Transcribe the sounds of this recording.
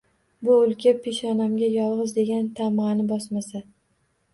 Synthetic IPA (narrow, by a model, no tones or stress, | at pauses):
bʊʊlˠkʲʰapʰeʃɒnamɡʲajɒlˠʁɨzd̪e̞ɡʲant̪ʰamanɪbɒsmasa